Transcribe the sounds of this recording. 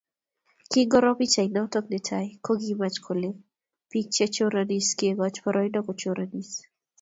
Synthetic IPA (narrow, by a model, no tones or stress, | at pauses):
kiŋɡɔɾɔpit͡ʃainɔtɔk̚netʰajkoɡimat͡ʃkʰole | pit͡ʃɛt͡ʃoɾaniskieɡɔt͡ʃpɔɾʔɔjnɔkɔt͡ʃoɾanis